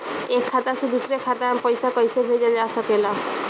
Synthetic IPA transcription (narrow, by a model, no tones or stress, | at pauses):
ekʰːat̪asud̪usɾekʰat̪apɔjsakɔjsebʱed͡ʒad͡ʒasakela